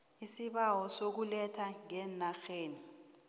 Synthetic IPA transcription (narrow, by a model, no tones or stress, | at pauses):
isiɓawɔsok̬ulɛtʰaŋɛnaxeːni